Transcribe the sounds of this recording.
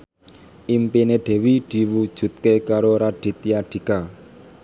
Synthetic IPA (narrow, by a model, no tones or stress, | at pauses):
ʔimpineɖ̪̥ɛ̤wid̪̥i̤wud̥ʒ̥ṳt̪̚kekaɾoɾaɖ̥i̤t̪ijaɖ̥i̤ka